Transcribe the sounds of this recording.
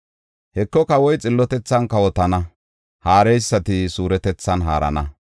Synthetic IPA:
hɛkːɔkɐwɔjt͡sʼɪlːɔt̪ɛt͡sːɐnkːɐwɔt̪ɐnɐ | haːɾɛjsːɐt̪ɪsuːɾɛt̪ɛt͡sːɐnɦa̰ːɾɐ̰nɐ

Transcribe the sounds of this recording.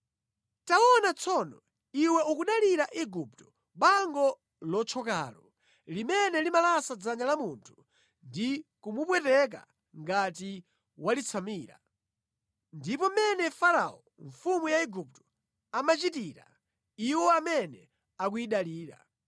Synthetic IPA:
taɔnat͡sʰɔnɔ | iwɛukuɗaliɾaʔiɡuptɔ̥ | ɓaŋɡɔ | lɔt͡ʃʰɔka̰ːlɔ | limɛnɛlimalasad͡zaɲalamuntʰu̥ | ndikumuɓwɛtɛk̬a̰ | ŋɡati | walit͡sʰamiːɾa̰ | ndipɔmɛnɛfaɾa̰ɔ | ɱfumujaiɡup̚tɔ̥ | amat͡ʃitiːɾa̰ | iwɔamɛnɛ | ak̬uiɗaliːɾa̰

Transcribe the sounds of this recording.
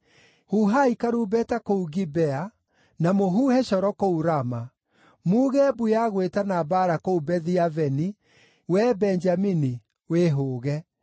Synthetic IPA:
huɦaikaɾubɛtakouɣibɛa | namoɦuːhɛʃɔɾɔkouɾama | muːɣɛbujaɣwetanabaɾakoubɛðiavɛni | wɛbɛnd͡ʒamini | weɦoːɣɛ

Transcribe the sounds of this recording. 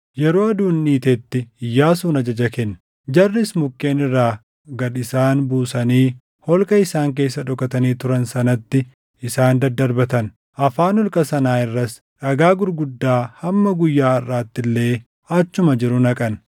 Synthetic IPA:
jɛɾoːɐd̪uːnːiːt̪et̪ːɪɪjːaːsuːnɐd͡ʒɐd͡ʒɐkɛnː | d͡ʒɐrːɪsmʊkʼːe̞ːnɪrːaː | ɡɐᶑɪsaːnbuːsɐniː | hɔlkʼɐɪsaːŋk̬e̞ːsːɐᶑɔkɐt̪ɐniːt̪ʊɾɐnsɐnɐt̪ːɪ | ɪsaːnd̪ɐd̪ːɐɾbɐt̪ɐn | ʔɐfaːnɔlkʼɐsɐnaːɪrːɐs | ᶑɐɡaːɡʊɾɡʊd̪ːaːhɐmːɐɡʊjːaːɐrːaːt̪ːɪlːe̞ː | ɐt͡ʃːʊmɐd͡ʒɪɾʊnɐkʼɐn

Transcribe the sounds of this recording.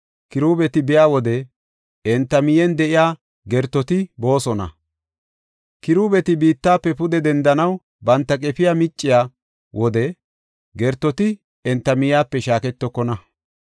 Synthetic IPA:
kɪɾuːbɛt̪ɪbɪjaːwɔd̪ɛ | ɛnt̪ːɐmɪjɛnd̪ɛʔɪjaː | ɡɛɾt̪ːɔt̪ɪbo̞ːsɔnɐ̰ | kɪɾuːbɛt̪ɪbiːt̪ːaːpːɛpʊd̪ɛd̪ɛnd̪ɐnɐw | bɐnt̪ːɐk̬ʼɛpɪjaːmɪt͡ʃʼːɪjaː | wʔɔd̪ɛ | ɡɛɾt̪ːɔt̪ɪ | ɛnt̪ːɐmɪjaːpːɛʃaːkɛt̪ːɔkːɔnɐ

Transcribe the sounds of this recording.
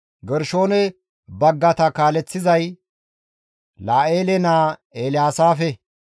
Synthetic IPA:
ɡɛɾʃo̞ːnɛ | bɐɡːɐt̪ɐkaːlɛt͡sːɪzɐj | laːʔeːlɛnaːeːlɪjaːsaːfɛ

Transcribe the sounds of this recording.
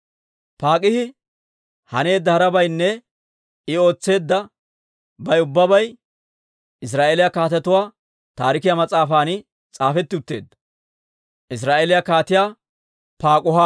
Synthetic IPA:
paːkʼɪhɪ | hɐne̞ːd̪ːɐhɐɾɐbɐjnːɛ | ɪo̞ːt͡sːe̞ːd̪ːɐ | bɐjʊbːɐbɐj | ɪs̬ɾaːʔeːlɪjakaːt̪ɛt̪ʊwaː | t̪aːɾɪkɪjamɐt͡sʼaːfaːnɪ | t͡sʼaːfɛt̪ːɪʊt̪ːeːd̪ːɐ̥ | ʔɪs̬ɾaːʔeːlɪjakaːt̪ɪjaː | paːkʼʊɦa

